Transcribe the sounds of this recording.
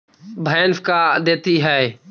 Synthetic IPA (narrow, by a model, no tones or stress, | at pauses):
bʱɛːnfkad̪eːt̪iɦɛː